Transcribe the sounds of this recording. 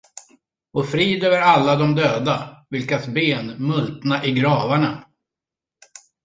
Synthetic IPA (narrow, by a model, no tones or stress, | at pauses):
ɔfɾiːd̪øːvəɾalːad̪ɔmd̪øːd̪avɪlkasbeːnmɵlt̪naʔɪɡɾɑːvaɳa